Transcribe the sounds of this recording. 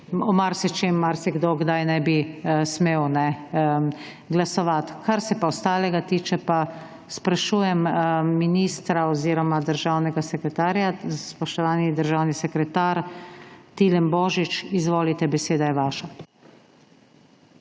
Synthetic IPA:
ɔmaɾsɛt͡ʃemːaɾsɛɡd̪oɡd̪ajnɛbismeːwnɛ | ɡlasɔʋat̪kaɾsɛpaɔst̪aːlɛɡat̪iːt͡ʃɛpa | spɾaʃuːjɛmːinist̪ɾaɔziːɾɔmad̪əɾʒaːwnɛɡasɛkɾɛt̪aːɾjaspɔʃt̪ɔʋaːnid̪əɾʒaːwnisɛkɾɛt̪aɾ | t̪ilɛmbɔːʒit͡ʃizʋoːlit̪ɛbɛseːd̪ajɛʋaːʃa

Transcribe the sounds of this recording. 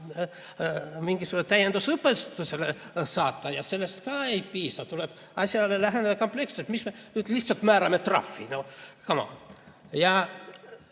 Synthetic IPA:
miŋɡ̥isunet̪æjend̪usɤpːet̪usʲelesɑːt̪ːɑjɑse̞lːest̪kɑːe̞jpiːsɑt̪uleb̥ | ɑsʲjɑlelæɦened̪ɑko̞mple̞kselt̪mismenyːd̪liht̪sɑlt̪mæːɾɑmet̪rɑ̰fːḭnokɑmɑ̰ | jɑ

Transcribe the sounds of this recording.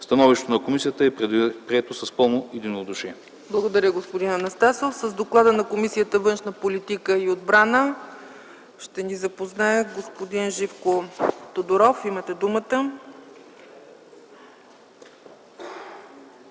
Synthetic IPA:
st̪ɐnɔviʃt̪ot̪onɐkomisijət̪əɛpɾiɛt̪osɐspəlˠnoʔid̪inod̪uʃiɛ | blˠɐɡod̪ɐɾʲəɡospod̪inɐnɐst̪asofsəzd̪oklˠad̪ənɐkomisijət̪əvɤnʃnəpolit̪ikəiod̪bɾanə | ʃt̪ɛnizɐpoznaɛɡospod̪inʒifkot̪od̪oɾɔfimət̪ɛd̪umət̪ə

